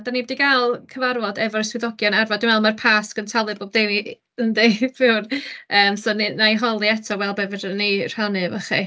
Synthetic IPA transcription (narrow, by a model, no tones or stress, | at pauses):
danibɔdiɡalˠkʰəvarvɔdɛvɔɾəswɪðɔɡjɔnarvadɪmvɛlˠmarpʰaːsɡ̥əntʰalˠɨboːb̚dejni | əndejpɪwrəːmsoːninajɦɔlˠiɛtʰɔwɛlˠbɛvədəner̥hanɨvaχḭ